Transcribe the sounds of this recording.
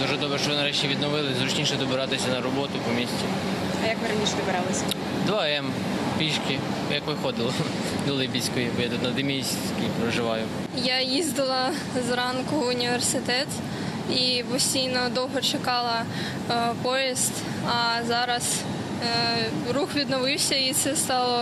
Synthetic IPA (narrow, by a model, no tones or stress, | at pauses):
d̪uʒɛd̪ɔbɾɛʃt͡ʃɔʋnɐɾɛt͡ʃiʋʲid̪nɔʋɪlˠɪzɾʊt͡ʃnʲiʃɛd̪ɔbɪɾɑt̪ɪsʲɐnɐɾɔbɔt̪ʊpɔmʲisʲtʲi | ɐjɐkmɪɾɐnʲiʃɛd̪ɔbɪɾɑlˠɪsʲɐ | d̪ʋaɛm | pʲiʃkɪ | jɐkʋɪxɔd̪ɪlˠɔ | d̪ɔlˠɪbʲisʲkʊjibɔjat̪ut̪nɐd̪ɪmʲisʲsʲkʲipɾɔʒɪʋɑjʊ | jajizd̪ɪlˠɐ | zɾɑnkʊːnʲiʋersɪt̪ɛt̪ | ipɔsʲtʲijnɔd̪ɔwɦɔt͡ʃekɑlˠɐ | pɔjist̪ | ɐzɑɾɐz | ɾuxʋʲid̪nɔʋɪwsʲɐit̪sɛst̪ɑlˠɔ